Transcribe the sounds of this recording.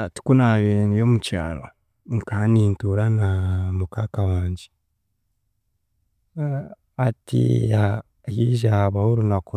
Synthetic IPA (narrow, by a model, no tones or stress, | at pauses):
tu̥kunaβenijomuca̰ːɾo̰ | ŋkaniːntuɾanamukakawaːɲɟi | atḭa | jiʒaβahuɾunaku